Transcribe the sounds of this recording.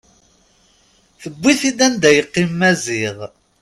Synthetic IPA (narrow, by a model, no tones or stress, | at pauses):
θəbʷːiθid̪ænd̪æjəqːimːæziʁ